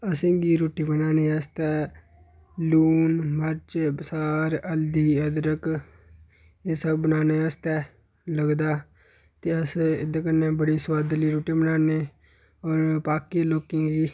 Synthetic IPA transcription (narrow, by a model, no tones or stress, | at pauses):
əsẽːɡiːɾoːʈiːbənaːneːəst̪ɛː | luːnməɾt͡ʃbəsaːɾəld̪iːəd̪ɾək | eːsəbbənaːneːəst̪ɛː | ləɡd̪aː | t̪eːəsɪ̰d̪kənẽːbəɽiːswaːd̪liːɾoːʈiːbənaːneː | ɔːɾpaːkiːloːkĩːɡiː